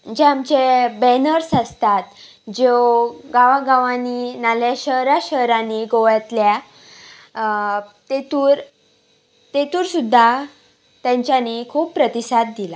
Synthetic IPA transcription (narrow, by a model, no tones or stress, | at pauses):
d͡ʑeamt͡ɕebɛnəɾsast̪at̪ | d͡ʑeoɡaʋaɡaʋaninaljaɕəɦɾaɕəɦɾaniɡoʋat̪lja | t̪et̪uːɾ | t̪et̪uːɾsud̪ʱːa | t̪jãɲt͡ɕjanikʰuːpːɾət̪isad̪̚d̪ila